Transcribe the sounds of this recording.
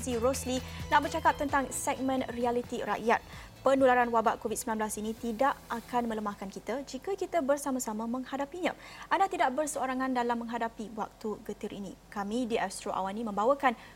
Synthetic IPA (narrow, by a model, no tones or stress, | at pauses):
ziɾɔslinaʔbərt͡ʃakap̚t̪ənt̪aŋsɛk̚mə̃nrialit̪iɾa̰ʔjat̪̚ | pənulaɾanwabaʔkovid̚səmilanmblasinĩt̪idaʔakanmə̃ləmahkankit̪ad͡ʒikakit̪əbərsamasamãmə̃ŋhadapiɲã̰ʔandat̪idaʔbərsəoɾaŋandalamːə̃ŋɦadapiwa̰k̚t̪uɡət̪ɪɾʔḭnḭkamidiʔast̪ɾoʔa̰wanimə̃mbawakan